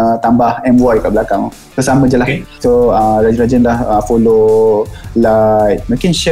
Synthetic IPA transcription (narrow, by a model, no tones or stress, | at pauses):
t̪ambahɛmwɔjkaʔbəlakaŋ | bəsamə̃d͡ʒəlahsoəɾad͡ʒɾad͡ʒənlahəfolo | lajt̪̚mə̃kɪnʃ